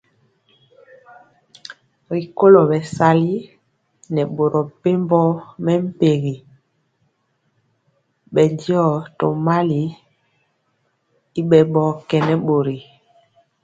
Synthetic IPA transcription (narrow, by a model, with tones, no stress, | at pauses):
ɾi˨ko˦lo˨ɓɛ˨sa˨li˦ | nɛ˨ɓo˨ɾɔ˨pe˦mbɔ˦mɛ˦m̩˦pe˨ɣi˨ | ɓɛ˨ndi˦ɔ˦˨to˨ma˦li˨ | i˦ɓɛ˨ɓɔ˨kɛ˨nɛ˦ɓo˨ɾi˨